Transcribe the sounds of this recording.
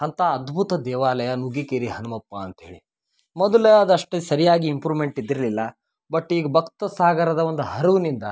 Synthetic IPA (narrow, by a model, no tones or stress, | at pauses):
ɦɐnt̪aːd̪bʱut̪ɐd̪ɛːʋaːlɐjɐnuɡikeːɾiɦɐnɐmɐpːɐːnt̪ɐɦeːɭi | mɔd̪ɐleɐd̪ɐʂʈesɐɾijaːɡiːmpɾuːmeɳʈid̪ːiɾɐlilːɐ | bɐʈːiːɡɐbʱɐkt̪ɐsaːɡɐɾɐd̪ɐʋond̪uɦɐɾuʋunind̪ɐ